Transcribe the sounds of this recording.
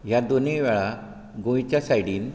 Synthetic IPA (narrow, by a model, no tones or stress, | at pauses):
ɦjad̪oneʋɛɭa | ɡõjit͡ɕjasajɽiːn